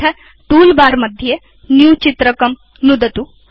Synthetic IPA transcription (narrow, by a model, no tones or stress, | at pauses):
ɐ | t̪uːlbaːɾmɐd̪ʱje | njuːt͡ʃit̪ɾɐkɐm | nud̪ɐt̪u